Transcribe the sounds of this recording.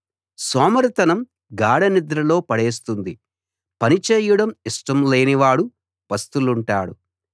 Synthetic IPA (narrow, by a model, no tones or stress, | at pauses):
sɔːmɐɾt̪ɐnɐm | ɡaːɽɐnid̪ɾɐlo̞ːpɐɽeːs̬t̪und̪i | pɐnit͡ʃeːjɐɽɐmiʂʈɐmleːniʋaːɽu | ʋɐst̪uluɳʈaːɽṵ